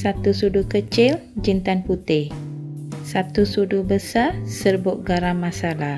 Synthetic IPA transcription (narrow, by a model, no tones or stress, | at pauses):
sat̪usudukət͡ʃɪld͡ʒint̪anput̪ɪh | sat̪usudubəsasərbʊʔ̚ɡaɾamasalah